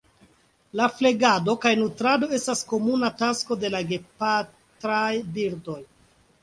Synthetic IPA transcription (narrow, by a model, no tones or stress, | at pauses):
lafle̞ɡado̞kajnutɾado̞e̞stasko̞munatasko̞de̞laɡe̞pa | tɾajbiɾdo̞j